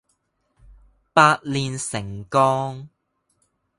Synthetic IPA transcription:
paː˧t̚liː˨nsɪ˨˩ŋkɔː˥ŋ

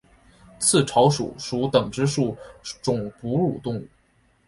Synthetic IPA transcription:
t͡sʰɹ̩˥˩ʈ͡ʂʰɑ˧˥ʊʂṵ˨˩ʂu˧˥t̪ɤ˨˩ŋʈ͡ʂɻ̩˥ʂu˥˩ʈ͡ʂʊ˨˩ŋpu˧˥ɻu˨˩t̪ʊ˥˧ŋu˥˩

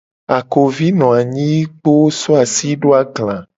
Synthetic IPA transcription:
a˨ko˨vi˦nɔ̃˨a˨ɲĩ˦k͡po˦sɔ˦a˨si˦ɖo˦a˨ɡlã˨

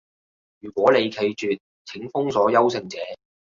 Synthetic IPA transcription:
jyː˨˩kʷɔː˨˥ne˨˧jkʰe˨˧jt͡ʃyː˨t̚ | t͡sʰɪ˨˥ŋfʊ˥ŋsɔː˨˥jɐ˥wsɪ˧ŋt͡sɛː˨˥

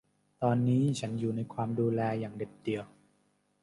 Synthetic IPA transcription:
t̪ɔː˧nːiː˦˥t͡ɕʰa˦˥njuː˨˩na˧jkʰwaː˧mduː˧lɛː˧jaː˨˩ŋde˨˩p̚di˨˩əw

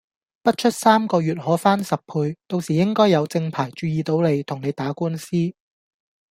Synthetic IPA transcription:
pɐ˥t̚t͡ʃʰɵ˥t̚saː˥mkɔː˧jyː˨˩t̚hɔː˨˥faː˥nsɐ˨p̚pʰuː˧jt̪o˧wsiː˨˩jɪ˥ŋkɔː˥jɐ˨˧wt͡sɪ˧ŋpʰaː˨˩jt͡ʃyː˨˧jiː˨˧t̪o˨˧wne˨˧jt̪ʰʊ˨˩ŋne˨˧jt̪aː˨˥kuː˥nsiː˥

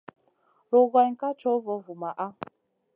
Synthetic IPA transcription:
lo˨ɡa˨ŋ̩˨ka˦t͡ʃɔ˦vɔ˨vu˨ma˨ʔa˦

